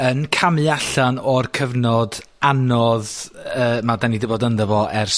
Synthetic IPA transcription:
ənkʰamɨaɬanɔrkʰəvnɔd | anɔðəːmadanidɪbɔdənðɛvɔʔɛrs

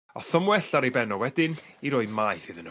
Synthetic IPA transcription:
ɔ̰θəmwɛɬaɾejbɛnɔwɛdɪniɾoɨmajθɨðən

